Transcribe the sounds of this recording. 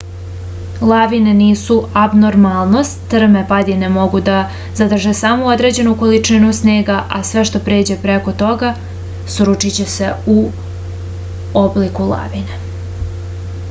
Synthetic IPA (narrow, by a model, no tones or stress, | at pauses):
lˠaʋine̞niːsuabnoɾmalˠno̞st̪t̪ːr̩mepad̪ine̞mo̞ɡud̪a | zad̪r̩ʒesamoo̞d̪ɾe̞d͡ʑe̞nuko̞lit͡ʂinusne̞ːɡaʔasʋe̞ʃt̪o̞pɾe̞ːd͡ʑe̞pɾe̞ko̞t̪o̞ɡa | sɾut͡ʂit͡ɕe̞se̞u | oblikulˠa̰ʋine